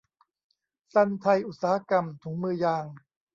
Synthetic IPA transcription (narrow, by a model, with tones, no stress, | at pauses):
sa˧nt̪ʰa˧jʔu˨˩t̪̚saː˩˦ha˧ka˧mt̪ʰuː˩˦ŋmɯː˧jaː˧ŋ